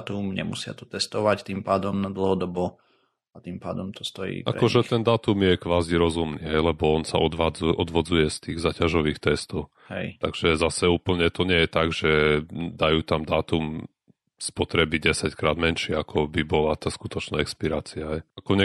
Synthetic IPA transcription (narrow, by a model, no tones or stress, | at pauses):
at̪umɲɛ̰mṵsɪa̰t̪ɔ̥t̪ɛst̪ɔʋact̪impaːd̪ɔmnad̪l̩ˠɦɔd̪ɔbɔ | at̪impa̰ːd̪ɔmt̪ɔ̥st̪ɔjḭːʔa̰ɾɛkɔʒɛt̪ɛnd̪aːt̪umjɛkʋaːziɾɔzumnḭɦɛjlɛbɔɔnsa̰ɔd̪ʋad͡zʔɔd̪ʋɔd͡zujɛst̪iːɣzaːcaʒɔʋiːxt̪ɛst̪ɔʊ | hɛ̰jt̪aɡʒ̥ɛzasɛuːpl̩ɲɛt̪ɔɲɪɛjɛt̪aɡʒɛd̪ajuːt̪amd̪aːt̪um | spɔt̪ɾɛbiɟɛsackɾaːd̪mɛnʃiakʰɔbibɔlat̪aːskut̪ɔt͡ʃnaɛkspiɾaːt͡siaɦɛjʔakɔɲɛ